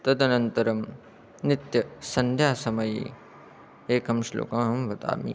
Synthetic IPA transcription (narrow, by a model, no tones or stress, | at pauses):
t̪ɐd̪ɐnɐnt̪ɐɾɐm | nit̪jɐsɐnd̪ʱjaːsɐmɐjḭ | eːkɐmʃlo̰ːkɐmɦɐmʋɐt̪a̰ːmḭ